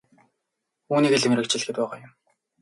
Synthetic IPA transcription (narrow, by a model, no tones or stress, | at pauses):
uːniːkeɮɘ̆mrɾɘ̆k̚t͡ɕɪ̆ɮxɘ̆t̪̚pæːʁaːjʊm